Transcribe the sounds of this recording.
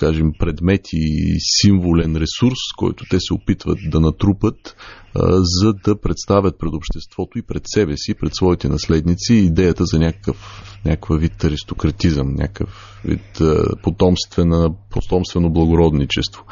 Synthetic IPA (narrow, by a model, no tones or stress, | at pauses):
kaʒɛmpɾɛd̪mɛt̪ʰisiɱvolɛnɾɛsuɾskɔ̰jt̪ʊ̥t̪ɛsɛopit̪və̰t̪̚d̪ɐnɐt̪ɾupət̪ | zɐd̪ɐpɾɛt̪st̪avʲət̪̚pɾɛd̪opʃt̪ɛst̪v̥ɔt̪oipɾɛt̪sɛbɛsipɾɛt̪svɔit̪ɛnɐslɛd̪nit̪siːd̪ɛjət̪əzɐnʲakə̥kəfnʲakvəvit̪ɐɾist̪okɾɐt̪izəmnʲʔa̰kə̰f | vḭt̪pot̪ɔmst̪vɛnəpot̪ɔmst̪vɛnoblˠɐɡʊɾɔd̪nit͡ʃɛst̪vo̥